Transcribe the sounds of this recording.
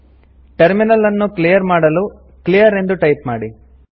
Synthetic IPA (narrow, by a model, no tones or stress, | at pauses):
ʈɐɾminɐlːɐnːuklijɐɾmaːɽɐlu | klijɐɾe̞nd̪uʈɐjpmaːɽi